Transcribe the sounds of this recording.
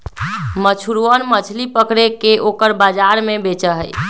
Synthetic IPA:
mət͡ʃʰuɾuənmət͡ʃʰlipəkɾekeʔokəɾbad͡ʒaɾmebet͡ʃəɦəj

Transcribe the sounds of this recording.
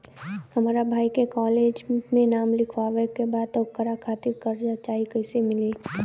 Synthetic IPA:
hɐmaːɾabʱaːikekɔːleːd͡ʒmẽnaːmlɪkʰʋaːʋekebaːd̪̚t̪ɔkəɾakʰaːt̪ɪɾkəɾd͡ʒat͡ʃaːɦikəɪsemɪleː

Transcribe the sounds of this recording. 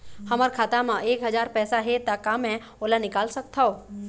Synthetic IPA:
hɐməɾkʰaːt̪amãeːkɦəzaːɾpɛːsaɦet̪akaːmɛ̃ | oːlanɪkaːlsək̚t̪ʰaoː

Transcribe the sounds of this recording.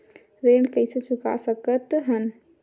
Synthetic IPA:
ɾeːɳɖkəɪsesʊka̰səkət̪ɦən

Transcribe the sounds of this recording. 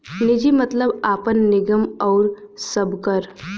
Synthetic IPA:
nɪd͡ʒimɐt̪ləbaːpənːɪɡəmɔːɾsəbkəɾ

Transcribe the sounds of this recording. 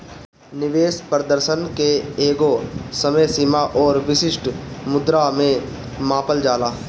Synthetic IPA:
nɪʋeːspɾəd̪əɾʃənkeeːɡosəməsɪmaʔɔːɾʋɪʃɪʃʈmʊd̪ɾamẽ | maːpəld͡ʒaːlaː

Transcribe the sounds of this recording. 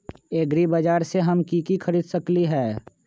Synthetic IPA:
eːɡɾibəd͡ʒaːɾseɦɐmkikixʰəɾiːd̪səkliɦɛː

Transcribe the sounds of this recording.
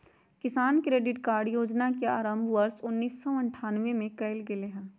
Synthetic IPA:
kɪsaːnkɾeːɖɪʈkaːɾɖjoːd͡ʒnakea̰ːɾə̃mbʱʋəɾsʊnːiːsːɔɐ̃ɳʈʰaːnʋemẽkɐɪlɡɪleɦɛ̃ː

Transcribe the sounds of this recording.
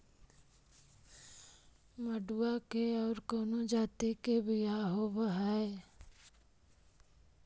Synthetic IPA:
məɖuakeɔːɾkoːnod͡ʒaːt̪ikebʱijaɦobɦɛe

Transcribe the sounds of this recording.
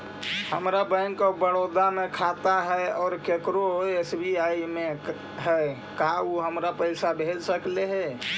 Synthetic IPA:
həmɾabəɪnkabəɽod̪amekʰat̪aɦɛɔːɾkekɾoesbiaime | ɦɛ | kauɦəmɾapəɪsabʱed͡ʒsəkleɦɛ

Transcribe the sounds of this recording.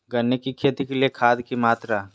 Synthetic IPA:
ɡɐnːekikʰeːt̪ikeliekʰaːd̪kimaːt̪ɾa

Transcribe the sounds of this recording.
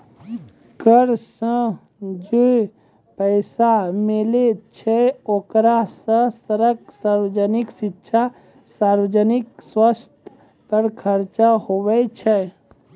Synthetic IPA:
kəɾsə̃ | d͡ʒe | pəɪsamelet͡ʃʰɛoːkɾasə̃səɾəksaːɾwəd͡ʒənɪksɪtːʃʰa | saːɾʋəd͡ʒənɪkswəst̪ʰ | pəɾkʰəɾt͡ʃaɦowɛt͡ʃʰɛ

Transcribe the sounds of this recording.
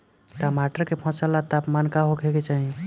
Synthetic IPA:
ʈamaʈəɾkepʰɔ̃səlːat̪apmankaɦokʰeket͡ʃaɦi

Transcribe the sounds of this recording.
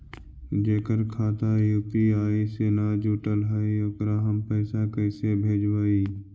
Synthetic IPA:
d͡ʒeːkəɾkʰaːt̪ajuːpiaːisenaːd͡ʒuʈəlɦaːiokɾaɦəmpɛːsakəɪsebʱeːd͡ʒwaːiː

